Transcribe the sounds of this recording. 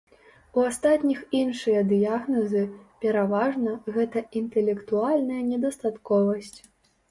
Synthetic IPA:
uast̪at̪nʲixinʂɨjɐd̪ɨjaɣnɐzɨpʲɛɾavaʐnɐɣɛt̪ɐint̪ɛlʲɛkt̪ualʲnɐjɐnʲɛd̪ɐst̪at̪kɔvɐsʲt͡sʲ

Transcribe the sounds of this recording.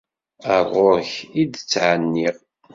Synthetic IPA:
əɾˤʁoçid̪ət͡sːʕənːiʁ

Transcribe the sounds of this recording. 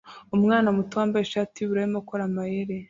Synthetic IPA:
umŋaːnamutaːmbajeʃatiβuɾaimokoɾamajeɾe

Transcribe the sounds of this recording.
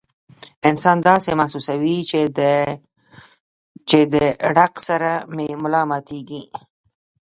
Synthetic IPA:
ɪnsɑnd̪ɑsemahsusawi | t͡ʃed̪əɖaqsaɾamemʊlɑmɑt̪ʰeɡi

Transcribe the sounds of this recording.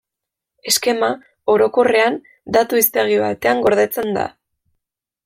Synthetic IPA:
e̞ske̞ma | o̞ɾo̞ko̞re̞an | d̪at̪uist̪e̞ɣ̞iβa̰t̪e̞aŋɡo̞ɾð̞e̞t͡se̞nd̪a̰

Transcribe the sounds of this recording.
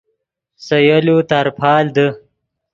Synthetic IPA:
sɐjalut̪aɾpʰɑːld̪ə

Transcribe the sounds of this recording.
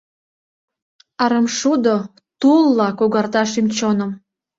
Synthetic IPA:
ɑɾəmʃud̪o | t̪ulːɑkoɣɑrt̪ɑʃymt͡ɕonəm

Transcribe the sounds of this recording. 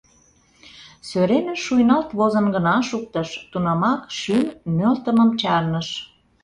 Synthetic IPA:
søɾemeʃujnɑlt̪βozə̆nɡə̆nɑʃuk̚t̪əʃt̪unɑmɑkʃymːølt̪əməmt͡ɕɑrnəʃ

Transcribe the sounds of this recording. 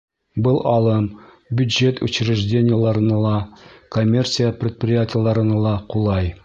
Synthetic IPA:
bɤlˠɒlˠɤm | bʲjʉd̪ʒe̞t̪ʰʉ̰ɕɾɘ̆ʒdʲenʲɪjəlˠɑɾɤ̆nɑlˠɑkomʲːe̞rsʲɨjəprʲɪt̪̚prʲɪjatʲɪjəlˠɑɾɤ̆nɑlˠɑqulˠɑj

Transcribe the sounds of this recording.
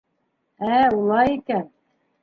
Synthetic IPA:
æulˠɑjikæn

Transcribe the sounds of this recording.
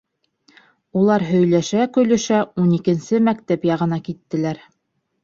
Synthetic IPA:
ulˠɑɾɦɵ̆jlæʃækɵ̆jlɵ̆ʃæunikɘ̆nsɘmækt̪æpjɑʁɤ̆nɑkit̪ːɘ̆læɾ

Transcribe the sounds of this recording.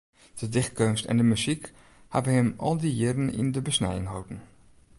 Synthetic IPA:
d̥ədɪx̚kønstɛ̰ndəmyzik | ha̰bəɦɪmʔɔlˠdijɪɾənɪ̰ndəbəsnɛ̰jəŋɦowdən̩

